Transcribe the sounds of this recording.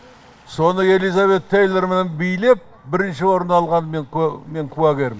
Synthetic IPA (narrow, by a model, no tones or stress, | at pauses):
so̞nəe̞lijzave̞t̪ʰːejlˠeɾmenenbijle̞p̚ | bɪɾɪnʃɪwo̞ɾənɑlˠʁɑnme̞ŋme̞ŋkʰuɑɡʲeɾɪm